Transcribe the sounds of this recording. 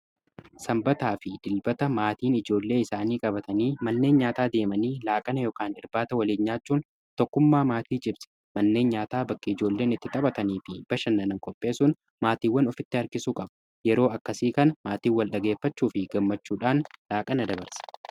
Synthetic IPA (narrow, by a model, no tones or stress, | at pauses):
sɐmbɐt̪aːfɪd̪ɪlbɐt̪ɐmaːt̪iːnɪd͡ʒo̞ːlːe̞ːɪsaːniːkʼɐbɐt̪ɐniːmɐnːeːnɲaːt̪aːd̪e̞ːmɐniːlaːkʼɐnɐjɔkaːnɪɾbaːt̪ɐwɐleːɲːaːt͡ʃːuːn | t̪ɔkːʊmːaːmaːt̪iːd͡ʒɪbsɛ̥ | mɐnːe̞ːnɲaːt̪aːbɐkːɐɪd͡ʒo̞ːlːe̞ːnɪt̪ːɪt̪ʼɐbɐt̪ɐniːfɪb̥ɐʃɐnːɐnɐŋkʼɔpʼːe̞ːsʊn | maːt̪iːwːɐnɔfɪt̪ːɪɐɾkɪsuːkʼɐbɐ̥ | jɛɾo̞ːɐkːɐsiːkɐnɐmaːt̪iːwɐlɗɐɡeːfːɐt͡ʃːuːfɪɡɐmːɐt͡ʃːuːᶑaːnlaːkʼɐnɐd̪ɐbɐɾsɐ̥